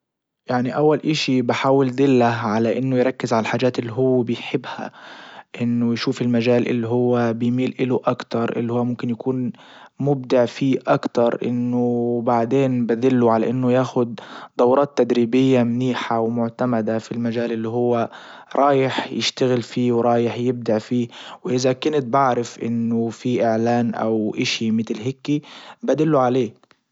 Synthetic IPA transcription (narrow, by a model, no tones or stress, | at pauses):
jaʕniʔawːalʔɪʃibɪħaːwɪld̪ɪlːaʕalaʔɪnːʊjɾˤɑkːɪzʕalalħaːd͡ʒaːt̪ʔɪlːiɦʊwːbɪjħɪbːha̰ʔɪnːʊjʃuːfɪlmaʒaːlʔɪ̰lːiɦʊwːabɪjmiːlʔɪlʊʔakt̪ɑɾˤʔɪ̰lːihʊwːmʊmkɪnjakuːn | mʊb̚d̪ɪʕfiːʔakt̪ɑɾˤʔɪ̰nːʊbaʕd̪eːnbad̪ɪlːʊʕala̰ʔɪnːʊjaːxʊd̪̚d̪ˤɑwɾˤɑːt̪ːad̪ɾiːbɪjːamniːħawmʊʕt̪amad̪afilmaʒaːlʔɪlːiɦʊwːa | ɾˤɑːjɪħjɪ̰ʃt̪aɣɪlfiːwɾˤɑːjɪħjɪb̚d̪aʕfiːwʔɪzakʊnɪt̪̚baʕɾɪfʔɪ̰nːʊfiʔɪʕlaːnʔa̰wʔɪʃimɪt̪lɦɪkːibad̪ɪlːuʕaleː